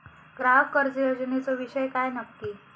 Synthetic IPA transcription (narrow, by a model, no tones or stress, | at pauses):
ɡɾaɦəbkəɾd͡zəjod͡ʑnet͡səʋiɕəjkajnəkːi